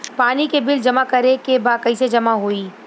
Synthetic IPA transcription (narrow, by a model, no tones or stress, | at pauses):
paːnikebɪld͡ʒɐmakɐɾekebaːkɐised͡ʒɐmaɦoiː